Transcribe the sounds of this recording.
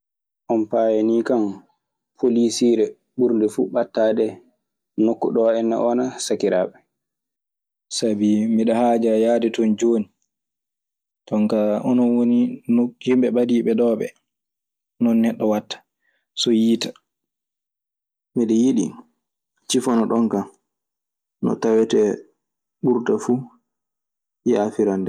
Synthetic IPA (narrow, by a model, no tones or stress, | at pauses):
ʔɔnpajanikam | pʰolisiɾɛ | ɓuɾndɛfuɓatːaːdɛ | nokːuɗɔɛnːa̰ʔɔːnasakiɾa̰ːɓɛ | sabimiɗɔhad͡ʒajaːdɛtɔnd͡ʒoːni | tɔŋkaʔɔnɔnwoninhimɓɛɓadiɓɛɗɔːɓɛ̰ | nɔnːɛɗːɔwatːḁ | sɔjiːtḁ | miɗɛjiɗḭ | t͡ʃifɔnɔɗɔŋka | nɔ̰tawɛtɛ | ɓuɾtafu | jɛafiɾandɛ